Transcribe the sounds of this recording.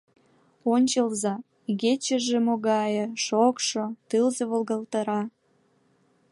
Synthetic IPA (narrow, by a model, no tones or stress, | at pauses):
onʲt͡ɕəlzɑ | ɣet͡ɕəʒemoɣɑjəʃokʃot̪ɨlzeβolɣəlt̪əɾɑ